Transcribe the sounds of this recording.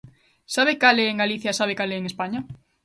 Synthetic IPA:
saβekaleeŋɡaliθjasaβ̞ekaleːŋespaɲa

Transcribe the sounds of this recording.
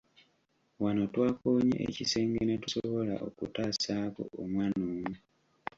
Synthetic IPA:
wano̞twaːkoːɲḛʔḛcise̞ːŋɡenetusoβo̞la̰ʔo̰kutaːsaːko̞̰omwaːnoːmu

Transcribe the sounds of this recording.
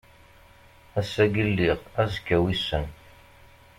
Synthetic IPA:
æsæɡəlːiʁæzkːæwisən

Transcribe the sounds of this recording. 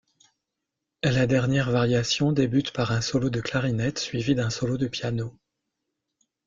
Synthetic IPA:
ɛlad̪ɛʁnjɛʁvaʁjasjɔ̃d̪ebyt̪paʁɛ̃sɔlod̪əklaʁinɛt̪sɥivid̪ɛ̃sɔlod̪əpjano

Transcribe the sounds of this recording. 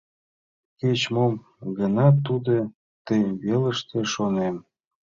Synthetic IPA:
ket͡ɕmom | ɡənɑt̪ːud̪e | t̪əjβeləʃt̪eʃonem

